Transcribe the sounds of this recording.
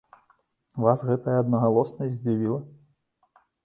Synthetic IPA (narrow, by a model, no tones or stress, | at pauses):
vasɣɛt̪ɐjɐɐd̪nɐɣalˠɔsnɐjʲzʲd͡zʲivʲilˠɐ